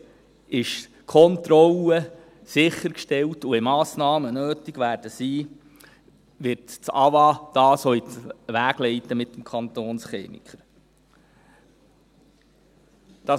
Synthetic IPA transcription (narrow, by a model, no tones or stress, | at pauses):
ɪʃ | kʰɔnt̪ɾɔlə | sɪχːəɾkʃtɛltuɪmɑːsnɑːmənøːtiɡʋæːɾd̥əsiː | ʋɪtt͡sɑʋɑd̥ɑːsɔiʋæːɡ̥lɛɪtəmɪtːəmkʰɑntoːnsχḛːmḭkχəɾ | d̥ɑ